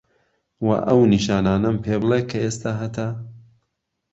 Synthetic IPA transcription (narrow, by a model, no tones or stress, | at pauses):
wɐ̰ʔɐwniʃaːnaːnɐmpʰeːblˠekʰɐeːst̪aːɦɐt̪ʰa